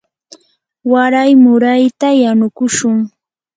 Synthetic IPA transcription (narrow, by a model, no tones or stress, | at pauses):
waɾajmʊɾajt̪ajanʊkʊʃʊŋ